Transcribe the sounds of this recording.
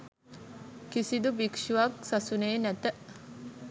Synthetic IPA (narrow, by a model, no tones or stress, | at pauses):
kisid̪ubikʂuʋaksasuneːnæt̪ə